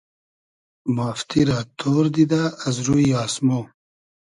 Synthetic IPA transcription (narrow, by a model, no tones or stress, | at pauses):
maːft̪iɾat̪ʰoːɾd̪id̪aːzɾuiɑːsmo